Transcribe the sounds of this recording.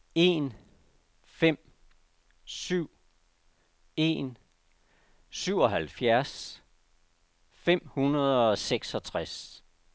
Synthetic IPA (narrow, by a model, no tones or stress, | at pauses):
e̝n | fem̰ | syʊ̰ | e̝̰n | syʊ̰ɒ̽ɦælfjæɐs | fem̰hunɐð̞ˠɒ̽seɡ̥sɒ̽t͡sʰʁas